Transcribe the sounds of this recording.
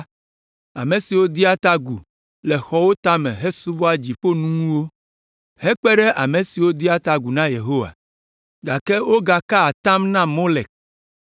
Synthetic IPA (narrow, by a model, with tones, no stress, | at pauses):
a̰˨mẽ˨si˨wo˦d̪i˦a˦t̪a˦ɡu˨ | lɛ˨xɔ˦wo˦t̪a˦mɛ̰̃˨ɦe˦su˦bo˦a˦d͡ʑi˨ɸo˦nũ˦ŋũ˦wo˦ | hɛ˦k͡pɛ˦ɖɛ˦ʔa˨mẽ˨si˨wo˦d̪i˦a˦t̪a˦ɡu˨nã˦je˨ɦo˦wa̰˨ | ɡa˨kɛ˦wo˦ɡa˨ka˦a˨t̪ã˦mnã˦mo˦le˨k̚